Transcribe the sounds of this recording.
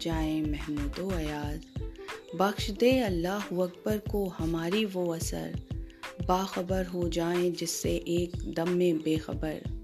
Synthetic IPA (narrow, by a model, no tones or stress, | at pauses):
d͡ʒaːẽmɛɦmuːt̪oɐjaːz | bɐxʃd̪eːɐlːaːɦʊɐk̚bəɾkohɐmaːɾiʋoɐsə̰ɾ | baːxɐbəɾɦod͡ʒaːẽd͡ʒɪsːeʔeːkd̪ɐmːẽbeːxɐ̰bəɾ